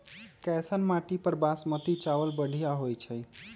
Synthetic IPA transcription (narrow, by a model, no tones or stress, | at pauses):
kɛsənmaʈipəɾbasmət̪it͡ʃaʋəlbəɽʱijaɦojt͡ʃʰəj